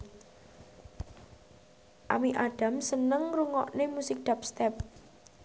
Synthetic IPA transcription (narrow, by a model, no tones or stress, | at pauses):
ʔawiʔaɖ̥a̤msənəŋruŋɔ̰ʔnemusɪk̚d̪̥a̤p̚st̪ɛp̚